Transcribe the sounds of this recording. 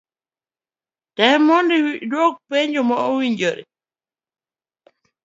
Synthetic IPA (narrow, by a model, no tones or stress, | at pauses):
tɛmɔndiwdwɔk̚peɲd͡ʒomɔowiɲd͡ʒoɾḭ